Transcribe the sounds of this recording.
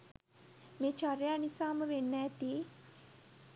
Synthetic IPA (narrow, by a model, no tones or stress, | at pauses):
meːt͡ʃaɾejanisaːməʋenːæːt̪iː